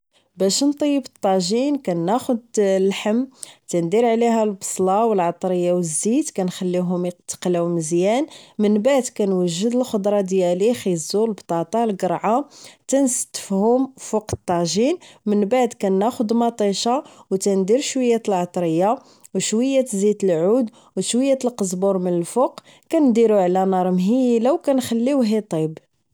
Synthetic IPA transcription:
bæʃnt̪ˤəjːəbət̪ˤːɑʒinkænːæxʊd̪lħəmt̪ænd̪iɾʕliɦælbə̥sˤlɑwəlʕɑt̪ˤɾəjːawəzːit̪kænxælːiɦʊmt̪ːə̥qlæwməzjænmənbaʕd̪kænwəʒːəd̪əlxod̪ˤɾˤɑd̪jælixizulbt̪ˤɑt̪ˤɑlɡəɾˤʕat̪ænsə̥t̪ːə̥fhʊmfuqə̥t̪ˤːɑʒinmənbaʕd̪kænːæxʊd̪mɑt̪ˤiʃawt̪ænd̪iɾʃwəjːæt̪əlʕɑt̪ˤɾəjːa | wʃwəjːæt̪zit̪əlʕud̪ | wʃwəjːæt̪əlqəzbuɾmənəlfʊq | kænd̪iɾuʕlænɑɾˤmɦijilawkænxælːiwɦit̪ˤib

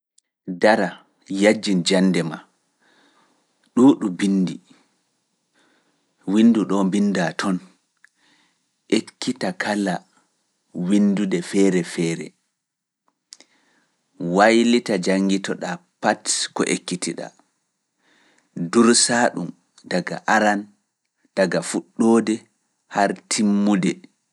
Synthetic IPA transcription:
daɾa | jad͡ʒːind͡ʒanːdɛma | ɗuːɗubinːdi | winːduɗɔmbindatʰɔn | ʔekʰːitakʰala | windudɛfɛːɾɛfɛːɾɛ̰ | wajlitad͡ʒaŋɡitɔɗapatkɔ̰ʔekːitiɗa̰ | duɾsaɗum | daɡa̰ʔaɾan | d̥aɡafuɗːoːdɛ | haɾtʰimːudɛ

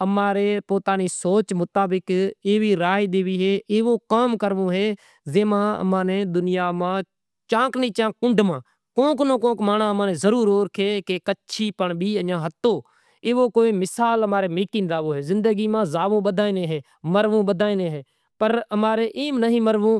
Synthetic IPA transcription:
əmaːɾeːpoːt̪aːniːsoːt͡ʃmʊt̪aːbɪkeːʋiːɾaːiːd̪eːʋiːɦeːʔeːʋõːkaːmkəɾʋõːɦeː | zeːmãːə̰mãːneːd̪ʊnɪjaːmãː | t͡ʃãːknẽːt͡ʃãːkʊ̃ɳɖmãː | kõːknõːkõːkmaːnãːəmãːnẽːzəɾuːɾɦoːɾkʰeːkekətːʃʰiːpəɳɓiːəãːɦət̪ːoː | eːʋoːkoːeːmɪsaːləmaːɾeːmiːʈɪ̃ːnɾaːʋõːɦeːzɪ̃nd̪əɡiːmãːzaːʋõːɓəd̪ʱaːinẽːɦeː | məɾʋõːɓəd̪aːiːneːɦeː | pəɾəmaːɾeːʔeːmnəɦĩːməɾʋõː

